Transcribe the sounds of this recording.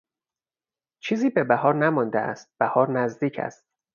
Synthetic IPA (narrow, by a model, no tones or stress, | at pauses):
t͡ʃʰiːziːbe̞bæɦɒːɾnæmɒnd̪eæ̰st̪̚b̥æhɒːɾnæzd̪iːcʰæ̰st̪̚